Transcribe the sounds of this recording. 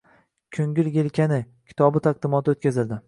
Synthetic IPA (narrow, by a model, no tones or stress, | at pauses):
kʲʰɵŋɡʲɪlɡʲelkʲʰanɪ | kʲʰɪ̥t̪ʰɒbɪt̪ʰaq̚d̪ɪmɒt̪ʰɪot̪kʲʰazɪld̪ɪ